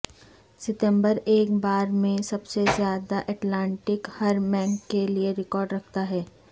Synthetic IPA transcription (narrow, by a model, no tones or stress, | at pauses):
sɪʈ̪ə̃mbəɾeːkbaːɾmẽsɐbsezjaːd̪aʔɛːʈlãːɳʈɪkhɐɾmɛ̃ːŋkːelieɾɪkɔːɾɖɾɐkʰt̪aɦɛː